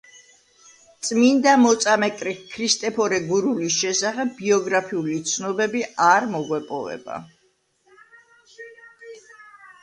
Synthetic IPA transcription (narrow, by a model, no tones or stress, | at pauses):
t̪sʼmind̪amɔt̪sʼamɛkʼɾikʰɾist̪ʼɛpʰɔɾɛɡuɾulisʃɛsaχɛb̚ːiɔɡɾapʰiulit̪sʰnɔbɛbiaɾmɔɡwɛpʼɔvɛ̰ba̰